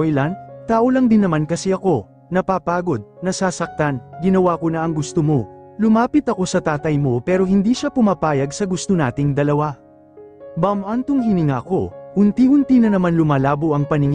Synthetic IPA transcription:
jlɐnt̪aːʔolɐŋd̪ɪnːɐmankɐsɛʔɐko̞ | nɐpaːpaːɡo̞d̪̚nɐsaːsɐk̚t̪anɡɪnɐwakonɐʔɐŋɡʊst̪omo̞lʊmaːpɪt̪ɐko̞sɐt̪aːt̪ɐjmo̞pɛːɾo̞hɪnd̪iʃapʊmaːpaːjɐɡsɐɡʊst̪onaːt̪ɪŋd̪ɐlɐwa | bɐmʔant̪ʊŋɦɪnɪŋaɐko̞̰hʊnt̪ihʊnt̪inɐnɐmanlʊmaːlaːbo̞ʔɐŋpɐnɪŋ

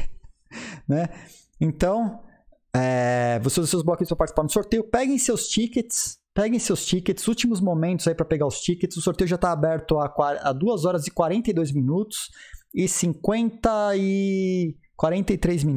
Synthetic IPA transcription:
nɛ | ẽnt̪ɐ̃w̃ | ɛvosesewzblɔkĩspɾɐpaɾt͡ʃisipaɾnʊsoɾt̪ejʊpɛɡẽj̃sewst͡ʃikɪt̪ɪ̥spɛɡẽj̃sewst͡ʃikɪt̪ɪ̥sut͡ʃimʊzmomẽnt̪ʊzaipɾɐpeɡaʊst͡ʃikɪt̪ɪz̥ʊsoɾt̪ejʊʒat̪aːbɛɾt̪ʊakaad̪uɐzɔɾɐzɪkwaɾẽnt̪ɐid̪ojzminut̪ʊ̥sɪsĩŋkwẽnt̪ɐɪ | kwaɾẽnt̪ɐɪt̪ɾejzmin

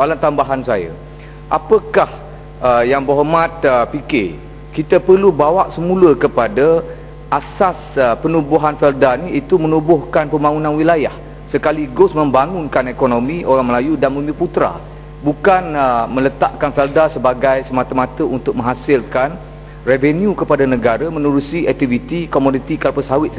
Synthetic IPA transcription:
alant̪ambaɦansajə̰ | ʔapəkah | əjaŋboɦomãt̪̚əpike | kit̪əpərlubawaʔsəmũləkəpada | ʔasasəpənubuɦanfɛldaniit̪umənubʊhkanpəmbaŋunãnwilaja̰h | səkaliɡʊsmə̃mbaŋʊnkanekonõmĩʔoɾaŋməlajudanməmbiput̪ɾa̰ | bukanəmə̃lət̪a̰ʔkanfɛldasəbaɡajsəmat̪əmat̪əʔunt̪ʊk̚mə̃ŋɦasɪlkan | revenjukəpadanəɡaɾamə̃nuɾusiɛk̚t̪ivit̪ikomodit̪ikalpəsawɪt̪̚

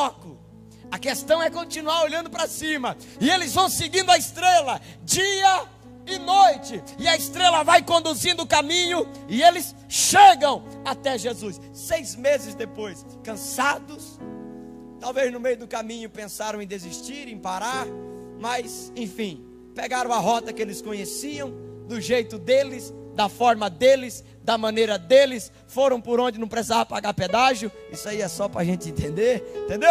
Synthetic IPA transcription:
ɔkʊ | ɐkest̪ɐ̃w̃ɛkõnt͡ʃinuaɾoʎɐ̃nd̪ʊpɾɐsĩmɐ | ɪelɪzvɐ̃w̃sɪɡĩnd̪ʊɐɪst̪ɾelɐ | d͡ʒiɐ | ɪnojt͡ʃɪɪɐɪst̪ɾelɐvajkõnd̪uzĩnd̪ʊːkamĩɲʊɪelɪs | ʃeɡɐ̃w̃ | at̪ɛʒezusːejzmezɪzd̪epojs | kɐ̃sad̪ʊs | t̪awveznʊmejʊd̪ʊkamĩɲʊpẽsaɾɐ̃w̃ẽd̪eziʃt͡ʃiɾẽj̃paɾaɾ | mɐsẽj̃fĩ | peɡaɾɐ̃w̃ɐɦɔt̪ɐkɪelɪskõɲesiɐ̃w̃d̪ʊʒejt̪ʊd̪elɪsd̪ɐfɔɾmɐd̪elɪz | d̪ɐmɐ̃nejɾɐd̪elɪs | foɾɐ̃w̃pʊɾõd͡ʒɪnɐ̃w̃pɾesizavɐpaɡaɾped̪aʒʊisʊaiɛsɔpɾɐaʒẽt͡ʃɪẽt̪ẽnd̪eɾ̃t̪ẽnd̪ew

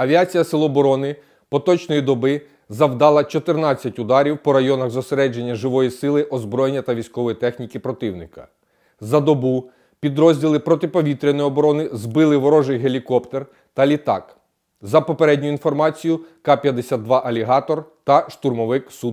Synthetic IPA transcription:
ɐʋʲiat͡sʲijɐsɪlˠɔːbɔɾɔnɪ | pɔt̪ɔt͡ʃnɔjid̪ɔbɪ | zɐwd̪ɑlˠɐt͡ʃɔt̪ɪrnɑt͡sʲːɐtʲʊd̪ɑɾʲiwpɔɾɐjɔnɐɣzɔseɾɛd͡ʒe̞nʲːɐʒɪʋɔjisɪlˠɪʔɔzbɾɔjenʲːɐt̪ɐʋʲijsʲkɔʋɔjit̪ɛxnʲikɪpɾɔt̪ɪwnɪkɐ̥̰ | zɐd̪ɔbu | pʲid̪ɾɔzʲdʲilˠɪpɾɔt̪ɪpɔʋʲit̪ɾʲenɔjiɔbɔɾɔnɪzbɪlˠɪʋɔɾɔʒɪjɦelʲikɔpt̪er | t̪ɐlʲit̪ɑ̰k | zɐpɔpeɾɛdʲnʲʊinfɔrmɑt͡sʲijʊkɑpʲjɐd̪esʲad̪ʋɑʔɐlʲiɦɑt̪ɔrt̪ɐʃt̪urmɔʋɪksu

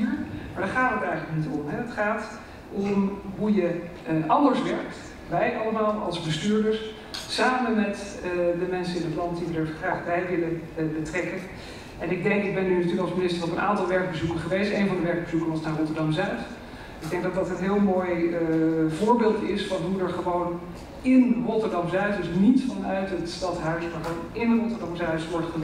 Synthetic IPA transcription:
ɹmaːɹdaːɹχaːtɦətɛjχənləknitɔmɦɛətχaːt | ʔɔmɦujə | ʔɑndəɹsʋɛɹkt | ʋɛjʔɑləmaːlˠɑ̰lˠzbəstyːɹdəɹs | saːmənmɛtdəmɛnsənɪnətlɑntdiʋədəɹχraːχbɛjʋɪləbətrɛkən | ɛnɪɡ̚dɛŋkɪɡ̚bɛnːynatyːləkɑlˠsminɪstərɔpənʔa̰ːntɑlˠʋɛɹɡ̚bəzukəχəʋejstejnvɑndəʋɛɹɡ̚bəzukəɹʋɑsnaːrɔtəɹdɑmzœɥt | ɪɡ̚dɛŋɡ̚dɑtdɑtənɦɪːlˠmoːj | vʊːɹbeːlˠtɪsfɑnɦudəɹχəʋown | ɪnrɔtəɹdɑmzœɥtdəsnitfɑnœɥtɦətstɑtɦœɥsmaronɪnrɔtəɹdɑmzœɥsʋɔɹtχə

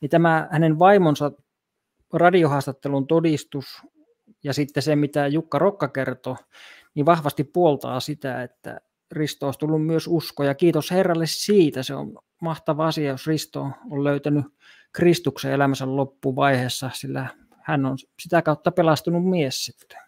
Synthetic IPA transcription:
nit̪æmæhænenʋɑimonsɑ | rɑdiohɑːst̪ɑt̪ːelunt̪odist̪us | jɑsit̪ːesemmit̪æjukːɑrokːɑkert̪o | niʋɑhʋɑst̪ippuolt̪ɑ̰ːsit̪æ̰et̪ːæ̰ | rist̪ooˑist̪ulːummyøsuskojɑkiːt̪osherːɑlːessiːt̪æseo̰n | mɑht̪ɑʋɑɑsiɑjosrist̪oolløyt̪æny | krist̪uksḛelæmæsællopːuʋɑiheːsːɑsilːæ | hænːonsit̪ækɑut̪ːɑpelɑst̪unummiessit̪ːe̥

